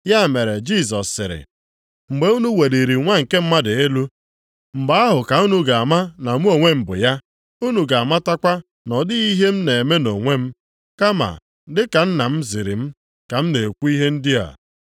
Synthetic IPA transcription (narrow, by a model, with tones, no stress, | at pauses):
ja˦˨me˨ɾe˨d͡ʒi˦˨s̬ɔ˨sːɪ̰˨ɾɪ̰˨ | ŋ͡m̩˨ɡ͡be˨˦u˦nu˦we˨di˨ɾi˨ŋʷa˦ŋ̩˨ke˦m̩˦ma˦dɪ˨e˦lu˦ | ŋ͡m̩˨ɡ͡ba˨a˦ɦʊ˨ka˨u˦nu˦ɡa˨a˨ma˦na˨mu˦o˨ŋʷe˦m̩˨bʊ̰˨ja˦ | u˦nu˨ɡa˨a˨ma˦ta˦kʷa˦ | nɔ˨dɪ˦i˦ɦe˦m̩˦ne˨e˨me˦no˨ŋʷe˦m̩˦ | ka˦ma̰˨ | dɪ˦ka˨n̩˦na˨m̩˦zɪ˨ɾɪ̰˨m̩˦ | ka˨m̩˦ne˨e˨kʷu˦i˦ɦe˦n̩˦dɪ˦a̰˨